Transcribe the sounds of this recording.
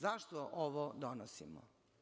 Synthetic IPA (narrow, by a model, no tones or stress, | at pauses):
zaʃt̪oʔoʋod̪onosḭmo̰